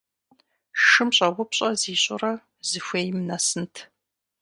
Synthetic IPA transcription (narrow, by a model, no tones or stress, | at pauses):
ʂɨmɕʼɐwʷʊpɕʼɐziːɕʼʊ̰rɐ | zɨxʷeːjmnɐsɨntʰ